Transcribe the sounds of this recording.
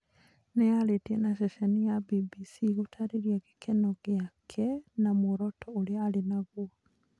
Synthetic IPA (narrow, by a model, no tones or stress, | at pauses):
nejaɾetiɛnaʃɛʃɛnijabibisiɣotʰaɾeɾiɛɣe̥kʰɛnɔɣeakʰɛnamoɾɔtʰɔoɾeaːɾenaɣuɔ